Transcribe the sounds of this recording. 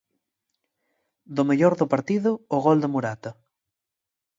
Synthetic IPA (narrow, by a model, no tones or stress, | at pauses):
d̪ʊmeʎoɾðʊpaɾt̪iðʊːɣold̪emuɾat̪ɐ